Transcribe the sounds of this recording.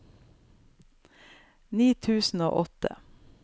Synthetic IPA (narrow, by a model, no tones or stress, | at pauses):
niːt̪ʰʉːsn̩o̰ːʔɔt̪ə̰